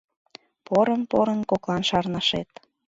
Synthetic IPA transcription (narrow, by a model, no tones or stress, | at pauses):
poɾənpoɾənkoklˠɑnʃɑrnɑʃet̪